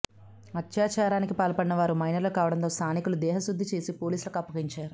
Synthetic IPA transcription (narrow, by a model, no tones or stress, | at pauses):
ɐt̪jaːt͡ʃaːɾaːnikipaːlɐpɐɽinɐʋaːɾumɐjnɐɾlɐkaːʋɐɽɐnt̪o̞ːst̪ʰaːnikulud̪ɛːɦɐsud̪ʱːit͡ʃe̞ːsipo̞ːliːsulɐkɐpːɐɡiɲt͡ʃaːɾu